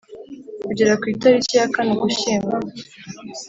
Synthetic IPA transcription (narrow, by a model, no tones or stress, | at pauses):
kuɟeɾakwiːtaɾicijakaniɡuʃiːmɡa